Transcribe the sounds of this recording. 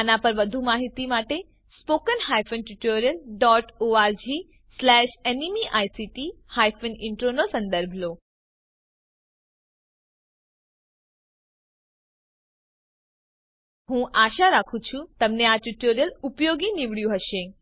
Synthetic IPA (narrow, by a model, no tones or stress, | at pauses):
nãpɐɾʋəd̪ʱumaːɦit̪imaːʈe | spoːkənhaːjfʰənʈuʈoːɾjəlɖɔːʈoaːɾd͡ʑi | slɛːʃenimiʔaːisiʈihaːjfʰənɪɳʈɾonosɐ̃nd̪əɾbʱloː | ɦũːʔaːʃaɾaːkʰũt͡ʃʰũt̪ɐmneaʈuʈoːɾjəlʊpjoːɡiniʋɽjũɦəʃẽ